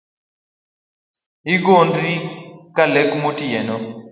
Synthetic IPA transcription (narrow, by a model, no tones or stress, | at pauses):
iɡondɾikalɛkmotiɛnɔ